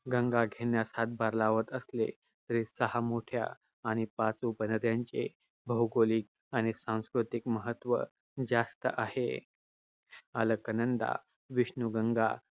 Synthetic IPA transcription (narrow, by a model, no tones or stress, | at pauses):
ɡəŋɡaɡʱenjasat̪̚baɾlaʋət̪əslḛ | t̪əɾisəɦamoʈʰja̰ː | ɽ̃ipat͡supənət̪jaɲt͡ɕḛ | bʱəwɡoliːk̚ | aɽ̃isãw̃skɾut̪ikməɦət̪ːʋə̰ | d͡zast̪əʔahḛ | aləkənənd̪a̰ | ʋiʂnuɡəŋɡa